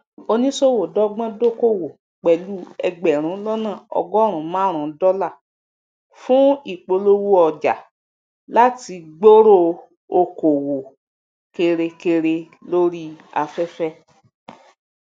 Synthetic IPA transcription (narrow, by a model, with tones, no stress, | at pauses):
o˧nĩ˦so˦˨wo˨dɔ˦ɡ͡bɔ̃˦do˦˨ko˦˨wo˨ | k͡pɛ˨lu˦ɛ˧ɡ͡bɛ˨ɾ̃ũ˨˦lɔ˦nã˦˨ɔ̰˧ɡɔ˦ɾ̃ũ˨˦mãː˦˨ɾ̃ũ˨˦dɔ˦la˦˨ | fũ˦i˦˨k͡po˧lo˦wu˦ɔ˨d͡ʒa̰˨ | la˦ti˧ɡ͡bo˦ɾo˦ | o˧ko˨wo˨ | ke˧ɾe˧ke˧ɾe˧ | lo˦ɾi˦a̰˧fɛ˦fɛ˦